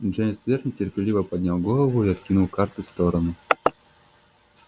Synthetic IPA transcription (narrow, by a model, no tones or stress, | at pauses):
ʐɛnʲɪsvʲernʲɪtʲɪrpʲɪlʲivəpɐdʲnʲalˠɡolˠəvʊiɐt̪̚kʲinulˠkart̪ɨfst̪oɾənʊ